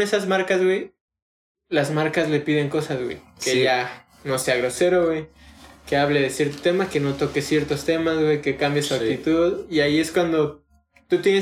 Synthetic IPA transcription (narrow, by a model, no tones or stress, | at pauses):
esazmaɾkazɣwe̞j | lazmaɾkazle̞piðe̞ŋko̞sazɣwḛjkeʝa | no̞se̞aɣɾo̞se̞ɾo̞ɣwejke̞aβleðe̞sje̞ɾt̪ot̪e̞make̞no̞t̪o̞ke̞sje̞ɾt̪o̞st̪e̞mazwejke̞kambjesuakt̪it̪uðiaie̞skwand̪o̞ | t̪ut̪jene